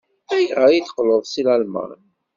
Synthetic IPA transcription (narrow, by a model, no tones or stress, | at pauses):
æjʁæjiθə̥qləðˤsilælmæ̰n